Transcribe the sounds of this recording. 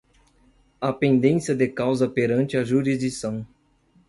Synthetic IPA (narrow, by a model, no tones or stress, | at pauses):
ɐpẽnd̪ẽsjɐd̪ekawzɐpeɾɐ̃nt͡ʃɪɐʒuɾizd͡ʒisɐ̃w̃